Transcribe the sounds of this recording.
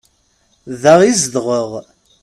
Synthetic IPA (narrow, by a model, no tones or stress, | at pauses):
ðæʁizd̪ʁəʁ